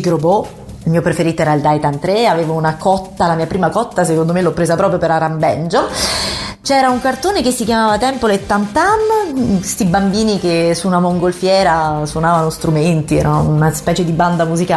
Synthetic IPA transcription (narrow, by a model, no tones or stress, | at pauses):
ɡɾobo | ilmiːopɾefeɾiːt̪oɛːɾaild̪ajt̪ant̪ɾeaveːvounakɔt̪ːalamiːapɾiːmakɔt̪ːasekond̪omelɔpːɾeːzapɾɔːpɾjopeɾaɾambɛnd͡ʒo | t͡ʃɛːɾauŋkart̪oːnekesːikjamaːvat̪ɛmpolet̪ːant̪amke̥st̪ibambiːnikesːunamoŋɡolfjɛːɾaswonaːvanost̪ɾument̪iɛ̰ːɾanonaspɛːt͡ʃed̪iband̪amuzikaː